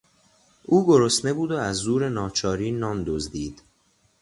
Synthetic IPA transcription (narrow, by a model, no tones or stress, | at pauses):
ʔuːɡoɾost̪ne̞buːd̪oæzːuːɾenɒːt͡ʃʰɒːɾiːnɒːnd̪ozd̪iːd̪̥